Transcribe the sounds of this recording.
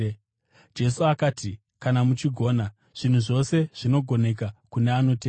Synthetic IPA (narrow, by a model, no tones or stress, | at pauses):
d͡ʒe̞suakaːti | kanamut͡ʃiɡʱo̞ːna | ʐ̥in̤uʐo̞se̞ʐ̥ino̞ɡʱo̞ne̞k̬akuneano̞t̬eː